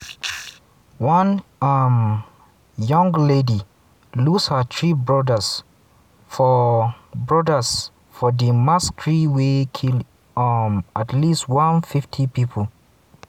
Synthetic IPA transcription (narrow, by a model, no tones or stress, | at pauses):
wãnam | jʌ̃ŋɡledi | lushətʰɹibɹɔdəs | fɔ | bɹɔdəs | fɔdimastʰɹiwekʰil | matlistwãnfiftʰipipʰəl